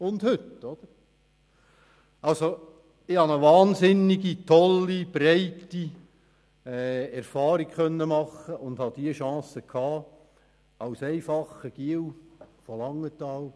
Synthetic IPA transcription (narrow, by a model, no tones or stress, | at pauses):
ʊnd̥hʏtːɔd̥̪əɾ | ɑlso | ɪhɑnəʋɑːnsɪnːɪɡitʰɔlːib̥rɛɪtːi | ɛɛɾfɑːɾikkœnːəmɑχəʔʊnd̥̪hɑd̥̪iəʃɑ̃ːsəkʰɑː | ɑwsɛɪfɑχəɡ̥iəwfɔlɑŋːətɑːl